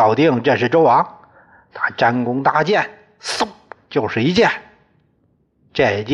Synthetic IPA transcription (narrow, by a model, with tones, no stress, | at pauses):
ɑ˨˩ʊt̪i˥˧˩ŋʈ͡ʂə˥˧ʂɻ̩˥˩ʈ͡ʂo˥ʊwɑ˧˥ŋ | t̪ʰa˥ʈ͡ʂa˥nkʊ˥ŋt̪a˥˧t͡ɕjɛ˥˩n | s̩˥˩t͡ɕjo˥˧ʊʂɻ̩˥˩i˧˥t͡ɕjɛ˥˩n | ʈ͡ʂɛ˥˩t͡ɕ